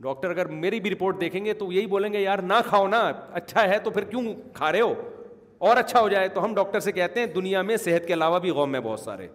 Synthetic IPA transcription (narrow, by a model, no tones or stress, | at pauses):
ɖɔːk̚ʈəɾɐɡəɾmeːɾibʱiɾɪpoːɾʈ̚d̪eːkʰẽːŋɡet̪ojɐɦiboːlẽːŋɡejaːɾnakʰaːonaɐtːʃʰaɦɛt̪opʰɪɾkjũː | kʰaːɾeɦoː | ɔːɾɐtːʃʰaɦod͡ʒaːet̪oɦɐmɖɔːk̚ʈəɾsekɛɦt̪eɦɛ̃d̪ʊnijamẽsɪɦət̪̚keɐlaːʋabʱiɣɔːmːẽbɔːt̪sa̰ːɾḛ